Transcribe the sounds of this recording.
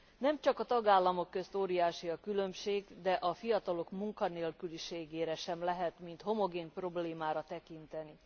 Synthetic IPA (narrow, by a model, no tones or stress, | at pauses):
nɛmt͡ʃɒkɒt̪ɒɡaːlːɒmo̞kːø̞st̪oːɾijaːʃiɒkylø̞mʃeːɡd̪ɛʔɒfijɒt̪ɒlo̞kmuŋkɒneːlkyliʃeːɡeːɾɛʃɛmlɛɦɛt̪mint̪ho̞mo̞ɡeːnpro̞bleːmaːɾɒt̪ɛkint̪ɛni